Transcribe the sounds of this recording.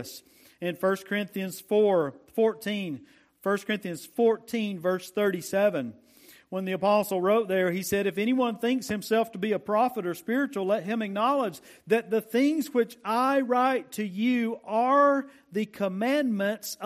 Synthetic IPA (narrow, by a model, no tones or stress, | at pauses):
s | ɨ̃nfɜ˞skʰə˞ɪ̃nθiɨ̃nz̥fɔɹfɔɹtʰĩn | fɜ˞skʰə̥˞ɪ̃nθiɨ̃nz̥fɔɹtʰĩnvɜ˞sθɜ˞ɾisɛvɨ̃n | wə̃nðiɨpɑsl̩ˠɹoʊt̪̚ðə˞isɛɾɨfɛɾ̃iwʌ̃nθɪ̃ŋkshɨ̃msɛlˠftʰəbiɨpʰɹ̥ɑfəɾə˞spɪɹɨt͡ʃul̩ˠlɛt̚ɦɨ̃mɨk̚nɑlˠəd͡ʒ | ðɨt̪̚ðɨθɪ̃ŋzwɪt͡ʃaɪɹaɪtʰɨjʉə˞ | ðɨkʰəmæ̃nmɨ̃nts